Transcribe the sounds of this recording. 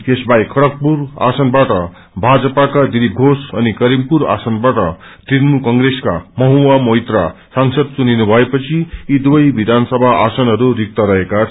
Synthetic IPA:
esbaikʰʌɽʌk̚pura̰sʌnbaʈʌ | bʱad͡zʌpakad̪iɾibʱosʌnikʌɾimpuɾa̰sʌnbaʈʌ | t̪iɾmukʌŋɡreska̰mʌɦuamʌjt̪rasaŋsʌd̪̚t͡suninubʱʌepʌt͡sʰiid̪wʌjbid̪ʱansʌbʱaʔasʌnɦʌɾuɾik̚t̪ʌɾʌɦeka

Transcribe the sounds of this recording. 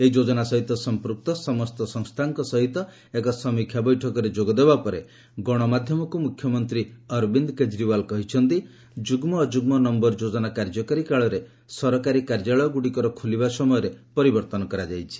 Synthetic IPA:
eid͡ʒod͡ʒɔnasɔɦit̪ɔsɔmpɾuk̚t̪ɔsɔmɔst̪ɔsɔŋst̪ʰaŋkɔsɔɦit̪ɔ | ekɔsɔmikʰjabɔjʈʰɔkɔɾed͡ʒoɡɔd̪ebapɔɾe | ɡɔɽ̃ɔmad̪ʱjɔmɔkumukʰjɔmɔnt̪ɾiɔɾbind̪ked͡ʒɾibalkɔɦit͡ʃʰɔnt̪i | d͡ʒuɡmɔːd͡ʒuɡmɔnɔmbɔɾd͡ʒod͡ʒɔnakaɾd͡ʒɔkaɾikaɭɔɾe | sɔɾɔkaɾikaɾd͡ʒaɭɔjɔɡuɽikɔɾɔkʰulibasɔmɔjɔɾepɔɾibɔɾt̪ɔnɔkɔɾad͡ʒajt͡ʃʰi̥

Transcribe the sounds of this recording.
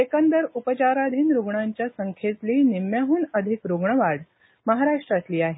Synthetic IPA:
ekənd̪əɾupət͡ɕaɾad̪ʱiːnɾuɡɳaɲt͡ɕjasəŋkʰet̪liːnimjaɦuːnəd̪ʱikɾuɡɳəʋaɽ | məɦaɾaʂʈɾat̪liːaɦe

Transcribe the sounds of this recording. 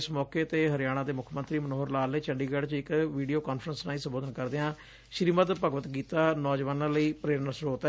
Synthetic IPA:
smɔːkeːt̪eːɦəɾɪjaːɽ̃ãːd̪eːmʊkʰmə̃nt̪ɾiːmənoːəɾlaːlneːt͡ʃəɳɖiːɡɛːɖt͡ʃɪkʋiːɖijoːkaːnpʰɾənsnãːĩːsəmboːd̪ənkəɾd̪eːãː | ʃɾiːmət̪pəɡʋət̪ɡiːt̪aːnɔːd͡ʒʋaːnãːləiːpɾeːɾnəsɾoːt̪ɛ

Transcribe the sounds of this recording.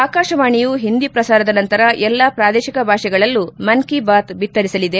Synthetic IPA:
aːkaːʃɐʋaːɳijuɦind̪ipɾɐsaːɾɐd̪ɐnɐnt̪ɐɾɐʔɛlːapɾaːd̪ɛːʃikɐbʱaːʃɛɡɐɭɐlːumɐnkibaːt̪bit̪ːɐɾisɐlid̪e̞

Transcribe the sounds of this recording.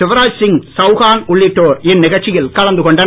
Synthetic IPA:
ɪʋɐɾaːd͡ʒsɪŋsɐʊɣaːnʊɭːɪʈːoːɾɪnːɪɣɐɻt͡ʃːɪjɪlkɐɻɐnd̪ɯkɔɳɖɐn

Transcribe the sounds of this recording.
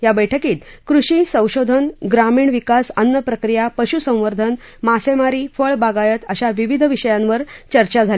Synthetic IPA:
ɦjabəjʈʰəkiːt̪kɾuɕiːsə̃w̃ɕod̪ʱənɡɾamiːɳʋikasənːəpɾəkɾijapəɕusə̃w̃ʋəɾd̪ʱən | masemaɾiːfəɭbaɡajət̪əɕaʋiʋid̪ʱʋiɕəjãnʋəɾt͡ɕəɾt͡ɕad͡zʱal

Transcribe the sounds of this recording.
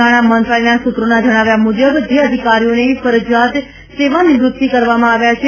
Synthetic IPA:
aɽ̃amənt̪ɾalinasut̪ɾonad͡ʒəɽ̃aʋjamud͡ʒəbd͡ʒeəd̪ʱikaɾijoneifəɾəd͡ʒjat̪ | seʋanid͡ʒɾut̪̚t̪ikəɾʋamãaʋjat͡ʃʰe

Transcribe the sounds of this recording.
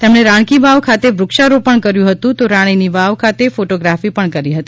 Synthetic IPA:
t̪emɳ̃eɾãɳ̃kiʋaʋkʰat̪eʋɾʊkʃaɾopəɳkəɾjũɦət̪ũt̪oɾaɽ̃iniʋaʋkʰat̪efoʈoɡɾafipəɳkəɾiɦət̪i

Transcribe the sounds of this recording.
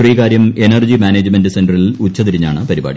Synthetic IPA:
riːkaːɾjɐme̞nɐrd͡ʑimaːneːd͡ʑme̞ndɨsendrɐilut͡ɕːɐt̪iɾiɲːaːɳɨpɐɾiba̰ːɽḭ

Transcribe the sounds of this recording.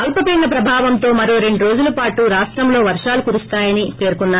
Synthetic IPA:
ɐlpɐpiːɳːnːɐpɾɐbʱaːʋɐnt̪o̞ːmɐɾoːɾe̞ɳɖuɾo̞ːd͡ʒulɐpaːʈuɾaːʂʈɾɐmlo̞ːʋɐɾʂaːlukuɾust̪aːjɐnipe̞ːɾkunːaː

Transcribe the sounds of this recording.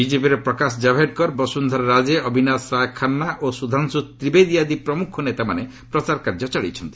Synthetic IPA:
bid͡ʒepiɾepɾɔkas̬d͡ʒabʱeʈ̚kɔɾbɔsund̪ʱɔɾɾad͡ʒeɔbʱinasɾajkʰanːaʔosud̪ʱansut̪ɾibed̪ijad̪ipɾɔmukʰunet̪amane | pɾɔt͡ʃaɾkaɾd͡ʒɔt͡ʃaɭḭt͡ʃʰɔnt̪i̥

